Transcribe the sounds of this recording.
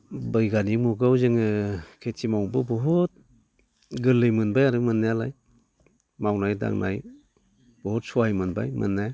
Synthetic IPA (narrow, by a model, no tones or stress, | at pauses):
bɯjɡanimuɡawzɯŋɯkʰetʰimawbɯbɔɦɔt̚ | ɡɯlːɯjmɯnbajaɾɯmɯnːajalaj | mawnajda̰ŋnʔa̰j | b̥ɔɦɔt̚suajmɯnba̰jmɯ̰nːaj